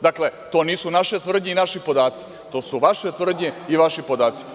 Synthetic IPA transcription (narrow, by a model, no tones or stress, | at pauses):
d̪akle̞t̪o̞ːniːsunaʃet̪ʋr̩d̪ɲeinaʃipo̞d̪aːt̪si̥ | t̪o̞ːsuʋaʃet̪ʋr̩d̪ɲeiʋaʃipo̞d̪aːt̪si̥